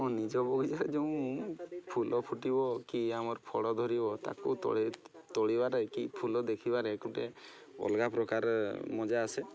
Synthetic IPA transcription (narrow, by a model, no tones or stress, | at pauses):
ɔnid͡ʒɔbɔɡʱid͡ʒaɾed͡ʒeũ | pʰulɔpʰuʈibɔkiamɔɾpʰɔɽɔd̪ʱɔɾibɔt̪a̰kut̪ɔ̰t̪oɽibaɾekipʰulɔd̪ekʰibaɾekuʈe | ɔ̰lɡapɾɔkaɾmɔd͡ʒaːse